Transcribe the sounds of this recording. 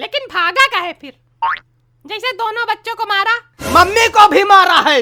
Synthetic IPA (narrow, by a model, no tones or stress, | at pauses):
leːkɪnbʱaːɡakaɦɛpʰɪɾ | d͡ʒɛːsed̪oːnõbɐtːʃõkomaːɾa | mɐmːikobʱimaːɾaɦɛː